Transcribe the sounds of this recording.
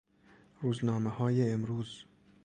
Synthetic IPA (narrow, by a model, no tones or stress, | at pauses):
ɾuːznɒːmehɒːjeːmɾuːz